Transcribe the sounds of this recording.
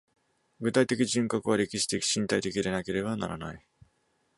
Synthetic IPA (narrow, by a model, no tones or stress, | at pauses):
ɡɯ̟t̪ait̪e̞kʲiʑɨ̃ŋkakɯ̟β̞aɾe̞kʲiɕi̥t̪ei̥ɕĩnt̪ait̪e̞kʲiɾe̞nake̞ɾe̞bana̰ɾa̰na̰i